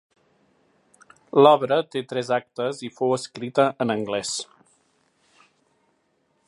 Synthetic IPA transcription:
lɔβɾət̪et̪ɾɛzak̚t̪əzifowəskɾit̪əʔənəŋɡlɛs

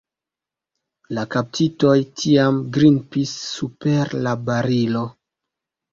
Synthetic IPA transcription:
lakap̚tʰito̞jtʰiamɡɾinpisːupeɾlabaɾilo̞

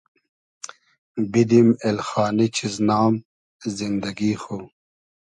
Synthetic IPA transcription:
bid̪imelxaːnit͡ɕʰiznaːm | zind̪ɐɡixo

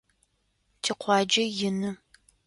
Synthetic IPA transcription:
tʰiqʷʰɑːd͡ʒɐjɪnɨ

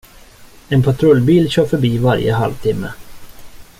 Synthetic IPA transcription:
ɛnpʰat̪ʰɾɵlbiːlɕœːɾfœɾbiːvaɾjə̰ɦa̰lvt̪ʰɪmːə̰

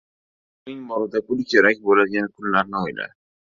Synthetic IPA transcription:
nɪŋmɒɾɪd̪apʰʊlˠkʲʰe̞ɾakʲbolad̪ɡʲanɪkʰʊnlaɾnɪojla̰

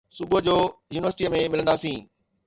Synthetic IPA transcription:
subəd͡ʑoːjuːnɪʋəɾsʈiːəmẽmɪlə̃nd̪aːsĩː

